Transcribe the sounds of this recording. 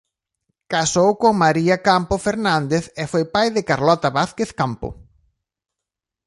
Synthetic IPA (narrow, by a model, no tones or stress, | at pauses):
kasowkoŋmaɾiakampofeɾnand̪eθɛfojpajðɪkaɾlɔt̪aβaθkeθkampʊ̰